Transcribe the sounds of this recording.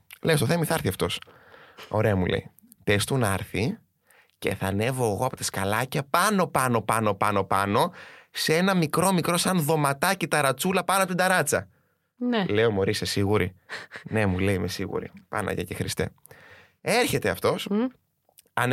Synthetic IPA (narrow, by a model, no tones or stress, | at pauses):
lest̪oθemiθɐɾθiɐft̪o̞s | o̞ɾe̞ɐmulḛi | pe̞st̪unɐɾθi | ce̞̰θɐne̞vo̞eɣo̞ɐpo̞t̪ɐskɐlɐcɐpɐno̞pɐno̞pɐno̞pɐno̞pɐno̞see̞nɐmikɾo̞mikɾo̞sɐnðo̞mɐt̪ɐcit̪ɐɾɐt͡sulɐpɐnoɐpot̪ind̪ɐɾɐt͡sɐ | nele̞omo̞ɾisesiɣuɾine̞mule̞imesiɣṵɾḭpɐ̰nɐ̰ʝɐ̰cexɾist̪e̞̰ | e̞ɾçe̞t̪e̞ɐft̪o̞s | ɐn